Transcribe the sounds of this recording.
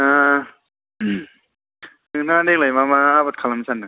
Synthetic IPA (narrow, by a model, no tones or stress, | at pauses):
a | ɯ | nɯŋnadek̚lajmamaabat̪̚kʰalamsʰanːa